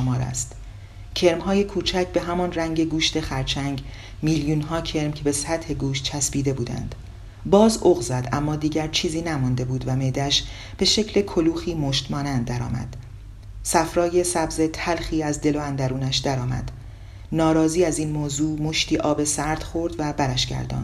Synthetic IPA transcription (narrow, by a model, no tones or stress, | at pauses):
mɒːɾæ̰st̪ | cʰe̞ɾmɦɒːje̞kʰuːt͡ʃʰæcʰbe̞ɦæmɒnræŋɟe̞ɡuːʃt̪e̞xæɾt͡ʃʰæŋɟ | miːljuːnɦɒːcʰe̞ɾmcʰebe̞sæt̪he̞ɡuːʃt̪̚t͡ʃʰæsbiːd̪e̞buːd̪æ̰nd̪̥ | bɒːzoɣzæd̪æ̰mːɒːd̪iːɟæɾt͡ʃʰiːziːnæmund̪e̞buːd̪væme̞d̪æʃ | b̥e̞ʃecʰle̞kʰoluːxiːmoʃt̪mɒːnænd̪̚ːæɾɒ̰ːmæ̰d̪̥ | sæfɾɒːje̞sæbze̞t̪ʰælxiːæzd̪e̞loænd̪æɾuːnæʃd̪æɾɒːmæ̰d̪̥ | nɒːɾɒːziːæziːnmoːzuːmoʃt̪iːʔɒːbe̞sæɾd̪̥xo̞ɾd̪væbæɾæʃɟ̥æ̰ɾd̪ɒ̰ːnd̪̥